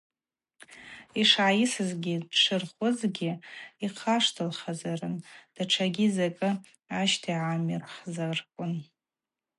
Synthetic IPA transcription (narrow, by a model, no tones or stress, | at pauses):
iʂʕajɪsɨzɡʲidʈ͡ʂʰɨrχʷʊzɡʲiiqʰaʂtʰɨlχazarɨnd̥aʈ͡ʂʰaɡʲizakʼɨ | aʃtʰiʕamirχzarkʷʼʊn